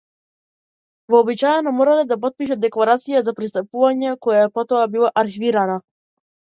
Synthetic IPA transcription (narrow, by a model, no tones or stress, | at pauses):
vɔːbit͡ʃajɛnɔmɔɾalɛd̪ap̬ɔt̪̚piʃɛd̪ɛklˠaɾat̪sijazapɾist̪apuvaɲɛkɔjaɛpɔt̪ɔabilˠaʔaɾxiviɾana